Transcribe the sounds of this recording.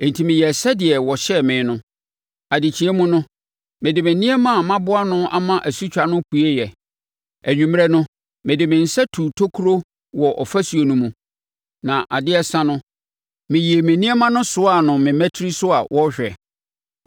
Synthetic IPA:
ẽ˨n̩˨tʰi˨mɪ̃˨jɛ˨sɛ˦dɪ˨ɛ˨wɔ˨ɕɛ˦mɪ̃˨˦nʊ̃˦ | a˨dɪ˨t͡ɕʰi˨ɛ˦mũ˦nʊ̃˦ | mɪ̃˨dɪ˨mɪ̃˨nĩ˦ɛ˦mã˦˨mã˦bʊ˦a˦nʊ̃˦a̰˦mã˦ʔæ˨su˦t͡ɕᶣa˨nʊ̃˦ku˨e˦jɛ˨ | æ˨ɲᶣũ˨m˦ɛ˦nʊ̃˦ | mɪ̃˨dɪ˨mɪ̃˨n̩˨sɛ˦tʰu˨tʰo˦kʰu˦ɾo˦ | wɔ˨ʔɔ˨fæ˦su˨o˨nũ˦mũ˨ | nã˨ʔa˨dɪ˦ɛ˦sã˦nʊ̃˦ | mɪ̃˨ji˨e˨mɪ̃˨nĩ˦ɛ˦mã˦nʊ̃˦sʊ˦a˦˨nʊ̃˨mɪ̃˨mɛ̃˦tʰi˦ɾi˦sʊ˦a˨wʔɔ˦ɕᶣɛ˨

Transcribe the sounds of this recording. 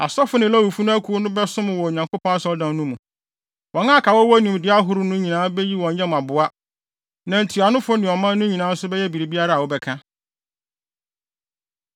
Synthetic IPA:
a̰˨sɔ˦fʊ˦nɪ̃˨la˦wu˨fu˦nʊ̃˦æ˦kʰu˦o˦nʊ̃˦bɛ˦sʊ̃˦mʊ̃˨wɔ˨ɲã˨ŋko˦pʰɔ̃˦a˦sʊ˦ɔ˦dã˨n˦nũ˦mũ˨ | wɔ̃˨˦nãː˦˨kʰa˨wɔ˦wɔ˦nĩ˨m˨dɪ˨˦a˦ɦʊ˦ɾʊ˦nʊ̃˦ɲĩ˨nãː˨˦bɛ˦ji˦wɔ̃˨ɲ˦ɲɛ̃˦m˨a˨bʊ˨a˦ | nã˨n̩˨tʰi˨a˨nʊ̃˦fʊ˦nɪ̃˨ɔ˨mã˦nː˦ʊ̃˦ɲĩ˨nãː˨˦n̩˦sʊ˦bɛ˦jɛ˦bi˨ɾi˨bi˦a˦ɾa˦a˨wɔ˦bɛ˦kʰã˦

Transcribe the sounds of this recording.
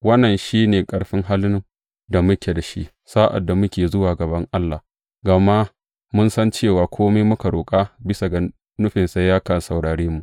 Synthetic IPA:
wɐ˦nːɐ˨nʃiː˦neː˨kʼɐ˦ɽɸɪ˦ŋɦa˦lʊ˦ŋ | da˨mʊ˦kʲe˨da˨ʃḭ˦ʔ | saː˦ʔa̰˨dːa˨mʊ˦kʲeː˨zʊ˦waː˨ɡɐ˨bɐ˦ŋʔa˦lːa˨ | ɡa˨ma˦ʔ | mʊ˦nsɐ˦nt͡ʃeː˦˨waː˨kʷoː˦meː˦mʊ˦ka˨ɽoː˨kʼa˦bɪ˦sa˨ɡa˨ | nʊ˦ɸɪ˨nsa˦jaː˦kɐ˨n˨sɐ˨wɽaː˨ɽeː˦mu˨ʔ

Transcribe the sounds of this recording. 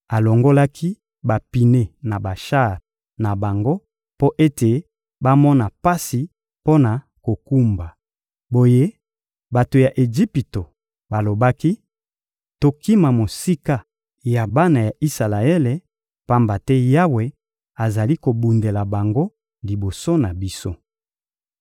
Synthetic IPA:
a˨lo˨ŋɡo˦la˦kʰi˦ | ba˨pi˨ne˦na˨ba˨ʃa˦˨ʁ | na˨ba˨ŋɡo˦ | po˦ʔe˦te˨ | ba˦mɔ˦na˨pa˦si˨ | po˦na˨ | ko˨ku˦mba˨ | bo˨je˦ | ba˨to˨ja˨ʔe˨ʒi˦pi˨to˨ | ba˨lo˨ba˦ki˦ | to˨ki˦ma˨mo˨si˦ka˦ | ja˨ba˦na˨ja˨ʔi˦sa˨la˨e˦le˨ | pa˦mba˨tɛ˦ja˦we˨ | a˨za˨li˦ko˨bu˨nde˨la˨ba˨ŋɡo˦ | li˨bo˨so˦na˨bi˦so˦

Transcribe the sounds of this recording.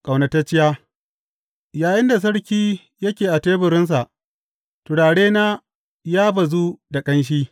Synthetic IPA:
kʼa˨wna˨tɐ˦t͡ʃɪ˦jaː˦ | jaː˨jɪ˦nda˨s̬ɐ˦ɽkʲiː˦ | jɐ˦kʲeː˨ʔa˨teː˦bʊ˨ɾɪ˦ns̬a˨ʔ | tʊ˨ɽaː˨ɽeː˦naː˦ | jaː˦ba˨zu˦da˨kʼɐ˦nʃ̬iː˦

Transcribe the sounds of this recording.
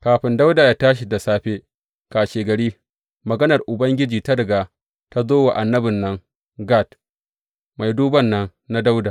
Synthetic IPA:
kaː˨ɸɪ˨˦nda˦wda˨jaː˦taː˦ʃ̬i˨da˨saː˦ɸeː˦ | kaː˨ʃeː˨ɡɐ˨ɽiː˦ | mɐ˨ɡɐ˦nɐ˨rʔʊ˨bɐ˦ŋɡʲɪ˦d͡ʒiː˨ta˦dɐ˨ɡa˨ | ta˦zoː˦wa˨ʔa˨nːɐ˦bɪ˨nːɐ˦ŋ | ɡa˦˨t | ma˨jduː˦bɐ˦nːɐ˦ŋ | na˦da˦wdaː˨

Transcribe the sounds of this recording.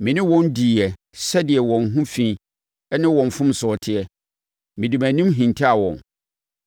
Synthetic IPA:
mɪ̃˨nɪ̃˦wɔ̃˦ndi˨ɛ˨ | sɛ˦dɪ˨ɛ˨wɔ̃˨nɦũ˦fĩ˦ | ɛ˦nɪ̃˦wɔ̃˨ɱ˨fʊ̃˦msɔ˨tʰɪ˨ɛ˨ | mɪ̃˨di˨mæ̃˨nĩ˦mɦĩ˨ntʰi˦a˨wɔ̰̃˨n

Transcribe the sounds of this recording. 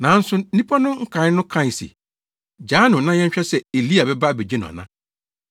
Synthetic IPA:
nã˨˦n̩˦sʊ˦ĩ˦pʰɔ˦nʊ̃˦ŋ̩˦kʰã˨˦nʊ̃˦kʰã˦˨sḭ˨ | d͡ʑaː˨˦nʊ̃˨nã˦ɲɛ̃˦ɲ˦ɕᶣɛ˦sɛ˨e˨li˦a˨bɛ˦ba˦˨be˨d͡ʑi˦n˨ɔ̰̃˨nã˦

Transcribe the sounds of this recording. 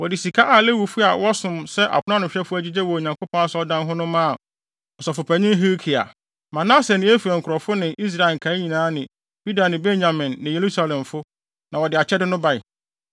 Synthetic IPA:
wɔ˨dɪ˨si˨kʰa˦ʔa˨le˦wu˨fʊ˦a˨wɔ˦sʊ̃˨msɛ˦ʔa̰˨kʰʷʊ˦ã˦nʊ̃˨ɕᶣɛ˦fʊ˦æ˦d͡ʑi˦d͡ʑɛ˦wɔ˨ɲã˨ŋko˦pʰɔ̃˦a˦sɔ˦dã˦nɦʊ̃˦nʊ̃˦mã˦˨ | ɔ˨sɔ˨fʊ˨pʰæ˨ɲɪ̃˦n˦ɦe˦kʰi˨a̰˨ | mã˨nã˦sɛ˨nɪ̃˨˦æ˦fu˨ɛ˨ŋ̩˨kʰɾɔ˨fʊ˦nɪ̃˨ʔi˦s̬ɾa˦˨e˨ŋ̩˨kʰã˨˦ɲĩ˨nãː˨˦nɪ̃˨ | b̥u˦da˨nɪ̃˨be˦nã˨mɪ̃˨nːɪ̃˨je˨ɾu˦sa˨lɛ̃˨mfʊ˦ | nã˨wɔ˨dɪ˨a˨t͡ɕʰɛ˦dɪ˦nʊ̃˦ba˨ɪ˨

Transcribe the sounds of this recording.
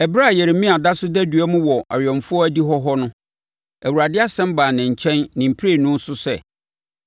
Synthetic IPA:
ɛ˨bɾa˦˨jɛ˨ɾmĩ˦a˨da˦sʊ˦dæ˦dɥæ˦mʊ̃˦wɔ˨ʔa̰˨ɥɔ̃˨mfʊ˦ɔ˦æ˦di˦ɦɔ˦ɦɔ˦nʊ̃˦ | æ˨wu˨ɾa˨dɪ˦a˦sɛ̃˦m˦baː˨nɪ̃˨ɲ̩˨t͡ɕʰɛ̃˦nːɪ̃˨m̩˨pʰɾe˦˨nʊ̃˦n̩˦sʊ˦sɛ̰˦˨

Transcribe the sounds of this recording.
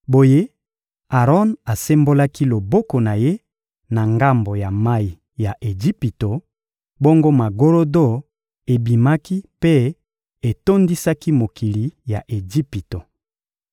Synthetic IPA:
bo˨je˦ | a˨ʁɔ˦na˨se˦mbo˦la˦ki˦lo˨bo˦ko˨na˨je˦ | na˨ŋɡa˦mbo˨ja˨ma˦i˨ | ja˨ʔe˨d͡ʒi˦pi˨to˨ | bo˦ŋɡo˦ma˨ɡo˦lo˦do˦˨ | e˨bi˨ma˦ki˦pe˦ | e˨to˦ndi˦sa˦ki˦mo˨kʰi˨li˨ja˨ʔe˨d͡ʒi˦pi˨to˨

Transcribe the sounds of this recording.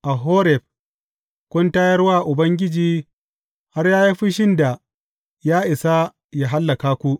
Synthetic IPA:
ʔa˨ɦoː˦ɾɛ˨ɸ̚ | kʷʊ˦ntaː˦jɐ˦rwaː˦ʔʊ˨bɐ˦ŋɡʲɪ˦d͡ʒiː˦ | ha˦rjaː˦ji˦ɸi˦ʃɪ˦nda˨ | jaː˦ʔɪ˨sa˦ | jaː˦ɦa˦lːɐ˨kaː˦kʷu˦ʔ

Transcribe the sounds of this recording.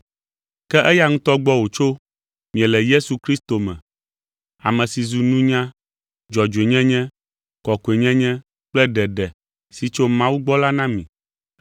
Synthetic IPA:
kɛ˦ʔɛ˦ja˦ŋũ˦t̪ɔ˦ɡ͡bɔ˦wo˨t͡ʃo˦ | mĩ˨ɛ̃˨lɛ˨je˦su˨kɾi˦st̪o˨mɛ̰̃˨ | a̰˨mɛ̃˨si˨zu˨nũ˦ɲã˦ | d͡ʒɔ˨d͡ʒe˨ɲɛ̃˦ɲɛ̃˦ | kɔ˨ko˨e˨ɲɛ̃˦ɲɛ̃˦ | k͡plɛ˦ɖɛ˨ɖɛ˨ | si˨t͡ʃo˦mã˦wu˦ɡ͡bɔ˦la˦nã˦mĩ˨

